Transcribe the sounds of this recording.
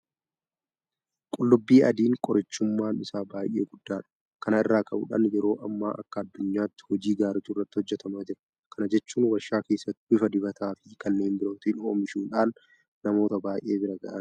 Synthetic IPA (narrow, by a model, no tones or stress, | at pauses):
kʼʊlːʊbːiːʔɐd̪iːŋkʼɔɾɪt͡ʃːʊmːaːnɪsaːbaːjʔe̞̰ːɡʊd̪ːaːᶑɐ̥ | kɐnɐɪrːaːkʰʼɐbʊ̰ᶑɐ̰njɛɾo̞ːʔɐmːa̰ːʔɐ̰kːɐːd̪ːʊɲːaːt̪ːɪ̥hɔd͡ʒiːɡaːɾɪt͡ʃːʊrːɐt̪ːɪhɔd͡ʒːɛt̪ɐmaːd͡ʒɪɾɐ | kɐnɐd͡ʒɛt͡ʃːuːnwɐʃːaːke̞ːsːɐt̪ːɪbɪfɐd̪ɪbɐt̪ʰaːfɪkɐnːe̞ːnbɪɾoːt̪ino̰ːmɪʃuːᶑaːnː | ɐmo̞ːt̪ɐbaːjʔe̞ːbɪɾɐɡɐ̰ʔɐn